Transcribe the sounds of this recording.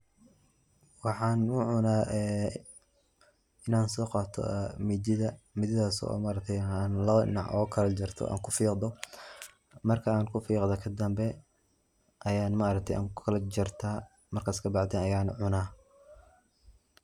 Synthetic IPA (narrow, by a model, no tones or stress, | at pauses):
wɑħɑːnʊʕʊnaːɛː | ɪnaːnsɔːqɑt̪ʰɔ̰mid͡ʒɪðɐmɪðɪðaːsɔ̰ːmaːɾɐk̚t̪ʰɛjanlɐβɐɪ̰nɑʕʔɔ̰ːkʰɐlɐd͡ʒɪrt̪ʰɔ̰ʔa̰ːŋkʰʊfiːqd̪ɔ | mɐrkʰɐaːnkʰʊfiːqd̪ɐkʰɐd̪ɐmbɛ | ʔɐjaːnmaːɾɐk̚t̪ʰɛjʔa̰ːŋkʰɐlɐd͡ʒɪrt̪ʰaː | mɐrkʰaːskʰɐbɑʕd̪ɛːnɐjaːnʕʊnaː